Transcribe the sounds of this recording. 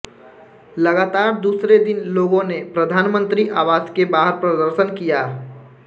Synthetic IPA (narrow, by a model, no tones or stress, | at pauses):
ləɡaːt̪aːɾd̪uːsɾed̪ɪnloːɡõnepɾəd̪ʱaːnmə̃nt̪ɾiʔaːʋaːskebaːɦəɾpɾəd̪əɾʃənkijaː